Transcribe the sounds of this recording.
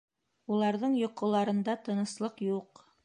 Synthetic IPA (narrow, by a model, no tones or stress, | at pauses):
ulˠɑɾðɤɴjŏqɤ̆lˠɑɾɤ̆nd̪ɑt̪ɤ̆nɤ̆slˠɤqjuq